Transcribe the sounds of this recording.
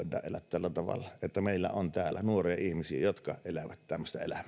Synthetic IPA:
tːˑɑ̰ːʔelæt̪t̪ælːæt̪ɑʋɑ̰lːɑet̪ːæmeˑilːæ̰ont̪æːlːˑænuoriɑihmisiejot̪kɑelæʋæt̪t̪æmːøst̪ɑḛlæm

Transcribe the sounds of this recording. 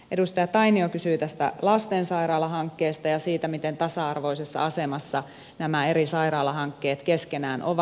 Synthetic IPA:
ʔedust̪ɑjɑt̪ɑiniokysyːt̪æst̪æ̰lɑst̪ensɑiɾɑːlɑɦɑŋkːeːst̪ɑjɑsiːt̪æmit̪ent̪ɑsɑɑrʋo̞isesːɑ̰ɑsemɑsːɑ | næmæeɾisɑiɾɑːlɑɦɑŋkːeːt̪keskenæːnʔoʋɑ

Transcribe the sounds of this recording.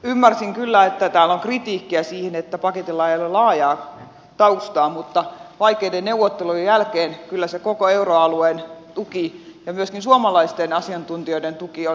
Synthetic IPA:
ymːærsiŋkylːæet̪ːæt̪æːloŋkrit̪iːkːiæsiːhenet̪ːæpɑket̪ilːɑeijolellɑːjɑː | t̪ɑust̪ɑːmut̪ːɑʋɑikːeidennewʋot̪ːelujejælkeːnkylːæsekokoeuroɑluent̪ukijɑmyøskinsuɑmɑlɑist̪enɑsiɑnt̪unt̪ioident̪ukio

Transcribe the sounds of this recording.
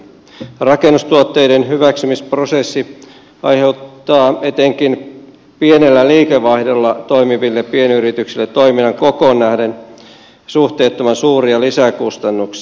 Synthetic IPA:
rɑkenːust̪uot̪ːe̞jdenhyʋæksymisprosesːi | ʔɑ̰jheut̪ːɑːe̞t̪eŋkin | pienelːæliːkeʋɑihdolːɑt̪o̞jmiʋilːeppienyɾit̪yksilːet̪ːojminːɑŋkokonːæhden | suht̪eːt̪ːomɑnsuːriɑlisækust̪ɑnːuksi

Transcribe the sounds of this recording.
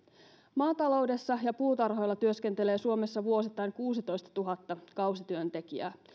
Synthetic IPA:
mɑːt̪ɑlo̞wde̞sːɑjɑpuːt̪ɑrɦo̞jlːɑt̪yøsk̟ent̪e̞le̞ːsuomesːɑʋuosit̪ːˑɑjnkuːsit̪o̞jst̪ɑ̥t̪uɦɑt̪ːɑkɑwsit̪yønt̪e̞kiæ̰ː

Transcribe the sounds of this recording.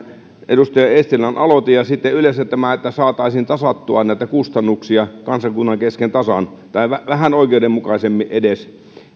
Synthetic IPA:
ʔedust̪ɑjɑest̪ilɑnʔɑlot̪ijɑsit̪ːeyleset̪ːæmæet̪ːæsɑːt̪ˑɑisint̪ɑsɑt̪ːuɑnnæˑit̪ækust̪ɑnːuksiɑkɑnsɑkunːɑŋkeskent̪ɑsɑn | t̪ɑiʋæʋæhænoˑikeudemmukɑisemːiʔʔedes

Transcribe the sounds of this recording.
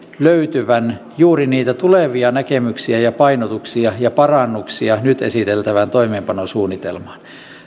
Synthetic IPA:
løyt̪yʋænjuːriniːt̪æt̪uleʋiɑnækemyksiæjɑpɑinot̪uksiɑjɑpɑrɑnːuksiɑnyt̪ḛsit̪elt̪æʋænt̪oimeːmpɑnosuːnːit̪elmɑn

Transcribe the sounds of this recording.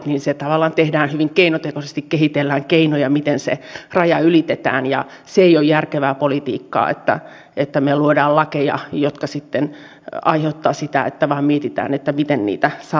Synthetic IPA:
niːnset̪ɑʋɑlːˑɑːnt̪ehdæːnhyʋiŋkeinot̪ekosest̪ikkehit̪elːæːŋkeinojɑmit̪ensḛrɑjɑylit̪et̪æ̰ːnjɑ̰ | seeijojjærkeʋæːpolit̪ḭːkːɑ̰ːḛt̪ːæ̰ | ʔet̪ːæmeluodɑːllɑkejɑ̰jot̪kɑsit̪ːen | ɑ̰iheut̪ːɑːsit̪æ̰ḛt̪ːæʋɑːmmiet̪it̪æ̰ːnet̪ːæmit̪ennḭːt̪æsɑ

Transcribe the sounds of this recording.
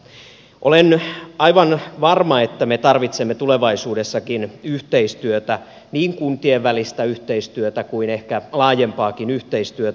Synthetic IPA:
ʔolenʔɑiʋɑnʋɑrmɑet̪ːæmet̪ɑrʋit̪semːet̪uleʋɑisuːdesːɑkinyht̪eist̪yøt̪æ | niːŋkunt̪ieʋːælist̪æyht̪eist̪yøt̪ækuinehkælɑːjempɑːkinyht̪eist̪yøt̪

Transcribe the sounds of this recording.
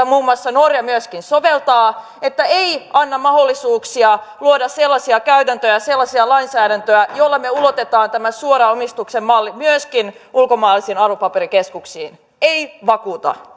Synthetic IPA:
muːmuɑsːɑnorjɑmyøskinsoʋelt̪ɑː | et̪ːæeiɑnːɑmɑholːisuːksiɑluodɑsselːɑsiɑkæyt̪ænt̪øjæselːɑsiɑlɑinsæːɾænt̪øæjolːɑmeulot̪et̪ɑːnt̪æmæsuoɾɑomist̪uksemmɑlːimyøskinulkomɑːlːisiːnɑrʋopɑpeɾikeskuksiːn | eiʋɑkuːt̪ɑ̰

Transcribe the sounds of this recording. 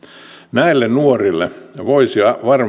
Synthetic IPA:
næilːennuorilːḛʋoisiɑʋɑr

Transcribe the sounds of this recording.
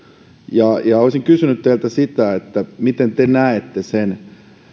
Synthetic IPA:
jɑjɑoisiŋkysynyt̪t̪eilt̪æsit̪æet̪ːæmit̪ent̪enæet̪ːesen

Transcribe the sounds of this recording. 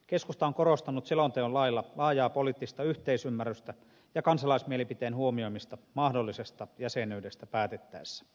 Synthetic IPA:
keskust̪ɑoŋkoɾost̪ɑnut̪selont̪eollɑilːɑlɑːjɑːpoliːˑt̪ːist̪ɑyht̪eisymːæryst̪æ | jɑkɑnsɑlɑismielipit̪eːnhuomio̞imist̪ɑmɑhdolːisest̪ɑjæsenyːdest̪æpæːt̪et̪ːæesːæ̥

